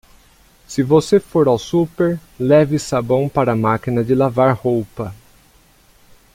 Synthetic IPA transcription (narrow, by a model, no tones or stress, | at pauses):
sɪvosefoɾawsupeɾlɛvɪsabɐ̃w̃paɾɐmakinɐd͡ʒɪlavaɾhowpɐ